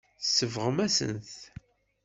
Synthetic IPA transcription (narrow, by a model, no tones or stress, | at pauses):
θsːəvʁəmæsə̰nθ